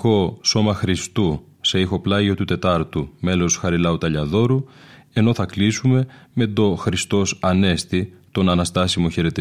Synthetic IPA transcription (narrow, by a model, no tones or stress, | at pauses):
ko̞so̞mɐxɾist̪u | se̞ixo̞plɐʝot̪ut̪e̞t̪ɐɾt̪ume̞lo̞sxɐɾilɐut̪ɐʎɐðo̞ɾue̞no̞θɐklisume̞me̞d̪o̞xɾist̪o̞sɐne̞st̪it̪o̞nɐnɐst̪ɐsimoçe̞ɾe̞t̪i